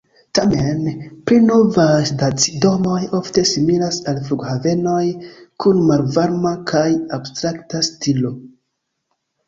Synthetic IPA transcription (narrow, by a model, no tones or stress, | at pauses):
tamenpɾino̞vajdat͡si̥do̞mo̞jo̞fte̞similasalfluɡhave̞no̞jkunmalvaɾmakʰajabstɾaktastilo̞